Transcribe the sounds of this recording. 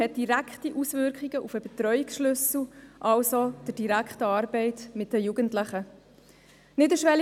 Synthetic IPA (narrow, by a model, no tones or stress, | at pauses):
ɛt̚d̥iɾækχtiʔusvʏɾkχiɡəʔufəbɛtɾœʏiksʃlʏsl̩ʔɑlsod̥əɾd̥iɾækχtəɑːɾbɛɪtmɪt̚dəjuːɡəntlɪχə | nɪdəʃʋɛl